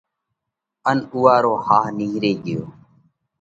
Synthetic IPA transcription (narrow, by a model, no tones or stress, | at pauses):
ənuːaːɾoːhaːɦniːɦɾeːɠɪjo̰ː